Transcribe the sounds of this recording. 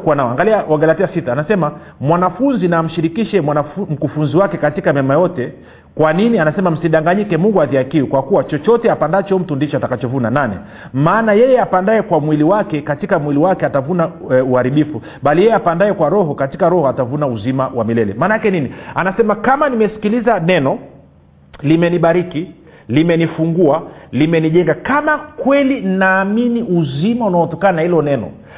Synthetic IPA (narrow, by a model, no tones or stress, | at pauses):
kuwanaɔaŋɡaliawaɡalatiasitaːnasɛma | mwanafunzinaːm̩ʃiɾikiʃɛmam̩kufunziwakɛkatikamɛmajɔtɛ | kwaninianasɛmam̩siɗaŋɡaɲikɛmuŋɡuaðiakiukwakuwat͡ʃɔt͡ʃɔtɛapandat͡ʃɔm̩tundit͡ʃɔatakat͡ʃɔvunananɛ̰ | maːnajɛjɛapandaɛkwamwiliwakɛkatikamwiliwakɛatavunauhaɾiɓifu | ɓalijɛjɛapandaɛkwaɾɔɦɔkati̥kaɾɔhɔatavunauzimawamilɛlɛ̰maːnaakɛninianasɛmakamanimɛsi̥kilizanɛnɔ | limɛniɓaɾiki | limɛnifuŋɡualimɛniʄɛŋɡakamakwɛlinnaːminiuzimaunaɔtɔkananahilɔnɛnɔ̰